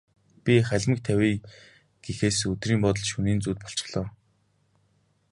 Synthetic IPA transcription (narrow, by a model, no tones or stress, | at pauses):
pʲiχæɮʲmɘ̆k̚t̪ʰæwʲiː | ɡ̥exeːsɵt̪riːmpɔt̪̬ɞ̆ɮʃuniːnt͡suːt̪̚pɔɬt͡ɕɪ̥̆χɮɔː